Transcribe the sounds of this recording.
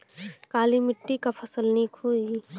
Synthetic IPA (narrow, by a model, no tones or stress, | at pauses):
kaːlimɪʈːikapʰɐsəlnikʰoi